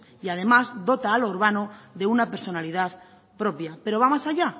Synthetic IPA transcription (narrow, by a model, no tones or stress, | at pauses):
iað̞e̞mazd̪o̞t̪aːloɾβ̞anoðe̞unape̞ɾso̞naliðað | pɾo̞pjape̞ɾo̞β̞amasaʎa